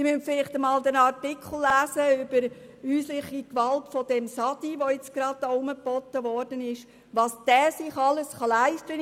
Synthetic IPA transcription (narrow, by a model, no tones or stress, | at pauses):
imœntfɪlɪχtəmɑːld̪ənɑrtɪkχl̩ˠːæːsəʏb̥əɾ | yːslɪχikʋɑltfɔd̥ɛmsɑd̥iʋɔɪt͡sɡ̥ɾɑd̥̚aʊməpɔt̪ːəʋɔːrd̥ənɪʃ | ʋɑːsd̥æːsɪχɑləsχɑlæɪstɾən